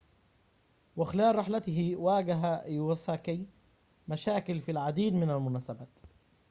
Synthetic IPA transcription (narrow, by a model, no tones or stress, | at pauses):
wɪxɪlaːʔˤɾɪħlat̪ɪɦɪwaːɡaɦajwasaki | maʃaːkɪlfilʕad̪iːd̪mɪnalmʊnaːsabaːt̪